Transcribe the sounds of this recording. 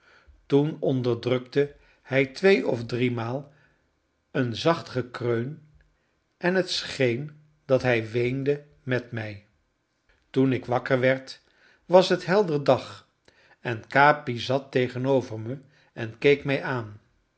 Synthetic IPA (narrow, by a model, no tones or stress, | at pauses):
tunɔndəɹdrɵktə | hɛjtʋejɔfdrimaːlˠ | ənzɑχtχəkrøɥn | ʔɛnɦətsχejn | dɑtɦɛjʋejndə | mɛtmɛj | tunɪkʋɑkəɹʋɛɹt | ʋɑsətɦɛlˠdərdɑχ | ɛnkaːpizɑtejχənowvəɹmə | ɛnkejkmɛjʔaːn